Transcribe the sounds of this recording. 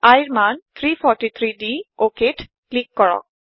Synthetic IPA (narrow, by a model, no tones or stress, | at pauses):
ajɾmant̪ʰɾipʰɔɾʈit̪ʰɾiɖiokeʈ | klikːɔɹɔ̰k̚